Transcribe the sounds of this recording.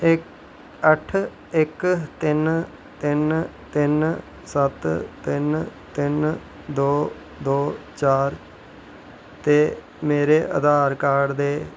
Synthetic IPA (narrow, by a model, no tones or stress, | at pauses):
ɪ | əʈʰ | ɪkt̪ɪn | t̪ɪnt̪ɪn | sət̪t̪ɪnt̪ɪn | d̪oː | d̪oːt͡ʃaːɾ | t̪eː | meːɾeːʔə̰d̪ʱaːɾkaːɾd̪eː